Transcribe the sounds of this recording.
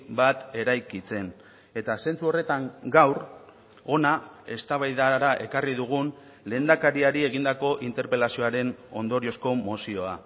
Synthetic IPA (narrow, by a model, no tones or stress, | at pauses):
bat̪e̞ɾajkit͡se̞n | e̞t̪ase̞nt͡suo̞re̞t̪aŋɡawɾ | o̞nae̞st̪aβajðaɾaʔe̞kariðuɣ̞un | le̞ːnd̪akaɾiaɾie̞ɣ̞ind̪ako̞ʔint̪e̞ɾpe̞lasio̞aɾe̞no̞nd̪o̞ɾio̞sko̞mosio̞a